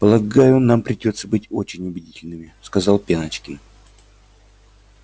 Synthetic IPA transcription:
pəlˠɐɡajʊnːampɾʲɪdʲo̞t̪səbɨtʲo̞t͡ɕɪnʲʊbʲɪdʲitʲɪlʲnɨmʲɪskɐzɑlˠpʲenət͡ɕkʲɪn

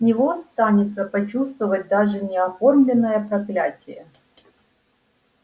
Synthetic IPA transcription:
nʲɪvo̞st̪anʲɪt̪səpɐt͡ɕust̪vəvət̚ʲd̪aʐɨnʲɪɐfo̞rmlʲɪnːəjəpɾɐklʲatʲɪjə

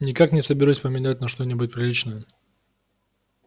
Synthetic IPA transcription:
nʲɪkaknʲɪsəbʲɪɾusʲpəmʲɪnat̚ʲnɐʂt̪onʲɪbʊt̚ʲpɾʲɪlʲit͡ɕnəjə

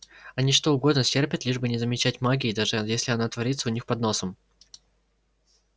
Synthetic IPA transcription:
ɐnʲiʂt̪o̞ʊɡo̞d̪nəsʲtʲerpʲɪt̪lʲiʐbɨnʲɪzəmʲɪt͡ɕætʲmaɡʲɪːd̪aʐɨjesʲlʲɪɐnat̪vɐɾʲit̪səʊnʲixpɐd̪no̞səm

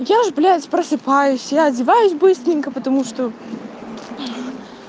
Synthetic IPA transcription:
jaʐblʲætʲpɾəsɨpajʊsʲjaɐdʲɪvajʊsʲbɨst̪ɾʲɪnʲkəpət̪ɐmuʂt̪o

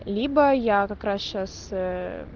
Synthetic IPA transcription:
lʲibəjakɐkɾasɕas

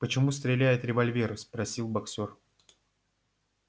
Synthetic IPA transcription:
pət͡ɕɪmust̪ɾʲɪlʲæjɪt̪ɾʲɪvɐlʲvʲeɾʊspɾɐsʲilˠbɐksor

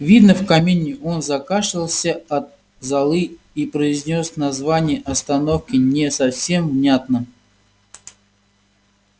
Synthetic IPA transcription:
vʲid̪nəfkɐmʲenʲːɪʔo̞nzɐkaʂɨlˠsʲəɐt̪̚ | zɐlˠɨ | ipɾəɪzʲnʲo̞snɐzvanʲɪjəʔɐst̪ɐno̞fkʲɪnʲɪsɐfsʲe̞mvnʲat̪nə

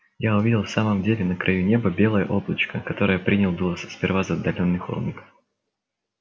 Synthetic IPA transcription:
jaʊvʲidʲɪlˠfsaməmdʲelʲɪnəkɾʔɐjunʲe̞bəbʲe̞lˠəjəʔo̞blˠət͡ɕkəkɐt̪o̞ɾəjəpɾʲinʲɪlˠd̪ulˠəssʲpʲɪrvazɐːd̪ːɐlʲo̞nːɨxo̰lˠnʲɪkə

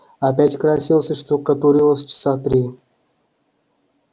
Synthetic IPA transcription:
ɐpʲætʲkɾasʲilˠsʲəʂt̪okət̪uɾʲilˠəsʲt͡ʃɪ̥sat̪ɾʲi

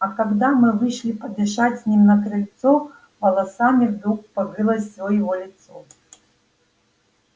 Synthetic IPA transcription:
ɐkɐɡd̪amɨvɨʂlʲipɐd̪ʲɛʂat͡sʲsʲnʲimnɐkɾɨlʲt̪sɔ | vɐlˠɐsamʲivd̪ɾukpɐɡɨlˠɐsʲɔjɛɣɔlʲit̪sɔ

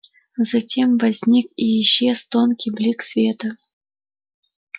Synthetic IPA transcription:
zɐtʲe̞mvɐzʲnʲikijɪɕːest̪onkʲijblʲiksvʲet̪ə

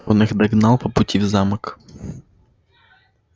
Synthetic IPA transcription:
ɔnɘɣd̪aɡnawpɔput͡ɕivzamk

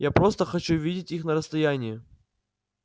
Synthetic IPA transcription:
japɾo̞st̪əxɐt͡ɕuvʲidʲɪtʲixnəɾəst̪ɐjanʲɪjɪ

